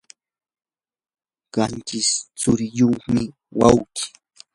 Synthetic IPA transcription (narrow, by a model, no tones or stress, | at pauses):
ɢɑnt͡ʃɪst͡sʊɾɪjoχmɪ | wawkɪ̥